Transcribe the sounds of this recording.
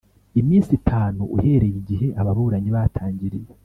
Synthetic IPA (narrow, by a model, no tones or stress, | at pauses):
imiːnsitʰaːnuuhe̞ːɾe̞jiɟiɦe̞ʔaβaβuɾaɲiβatʰaːɲɟiɾije